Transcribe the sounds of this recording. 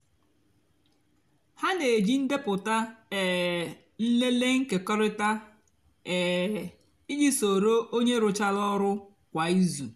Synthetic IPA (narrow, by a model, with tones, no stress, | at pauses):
ha˦ne˨d͡ʒi˦n̩˦de˦pʊ˨ta˦ɛ˨ | n̩˦le˦le˦ŋ̩˦ke˨kɔ˦ɾɪ˦ta˦ | ɛ˨ | i˦d͡ʒi˦so˨ɾo˦ʔo˦ɲe˦ɾʊ˨t͡ʃa˦lɔ˦ɾʊ˦ | kʷa˨i˦zu˨